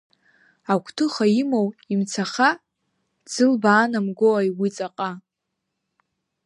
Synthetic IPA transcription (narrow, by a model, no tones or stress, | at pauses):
akʷʰʼtʰɨχaimowimt͡sʰaχa | d͡zɨlbaːnamɡʷoajwit͡sʼaqʼa